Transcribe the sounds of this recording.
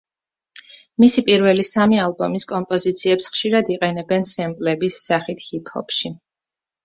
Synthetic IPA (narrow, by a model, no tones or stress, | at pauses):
misipʼiɾvɛlisamialˠbɔmiskʼɔmpʼɔzit̪sʰiɛpsχʃiɾad̪iqʼɛnɛbɛnsɛmpʼlɛbisːaχit̪ʰhipʰhɔ̰pʃi